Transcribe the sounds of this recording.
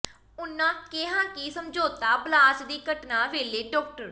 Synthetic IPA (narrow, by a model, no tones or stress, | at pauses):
ʊnːãːkeɦãːkiːsəmd͡ʒoːt̪aːblaːt͡ʃd̪iːkəʈnaːʋeːleːɖɔːk̚ʈəɾ